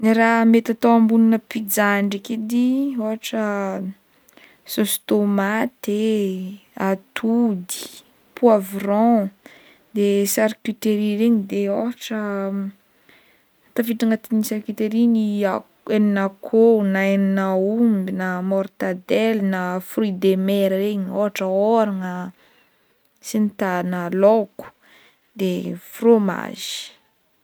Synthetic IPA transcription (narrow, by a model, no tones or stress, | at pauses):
niɾamet̪at̪owãmbuninəpid͡zaɳɖ͡ʐiked̪ioaʈ͡ʂə | sost̪omat̪e | at̪ʰud̪i̥ | puavrɔ̃ | d̪esaɾkyt̪eɾiɾeɲid̪eoɦaʈ͡ʂə | t̪afiʈ͡ʂaŋat̪inisaɾkit̪eɾinia | eninakʰonaeninaumbinamɔɾt̪ad̪ɛlnafrid̪emɛɾəɾeɲoɦaʈ͡ʂəoɾaŋə | sinit̪analoku̥ | d̪efroma̰ʒ̥i̥